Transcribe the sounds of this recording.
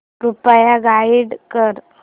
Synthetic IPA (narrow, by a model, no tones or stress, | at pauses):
pɾupajaɡaiɽkəɾ